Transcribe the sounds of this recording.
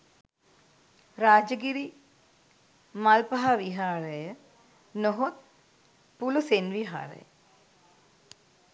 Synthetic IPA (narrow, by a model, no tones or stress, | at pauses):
ɾaːd͡ʒɐɡiɾi | maːlpɐɦaʋiɦaːɾɐjə | noɦot̪̚ | pulusenʋiɦa̰ːɾə̰jə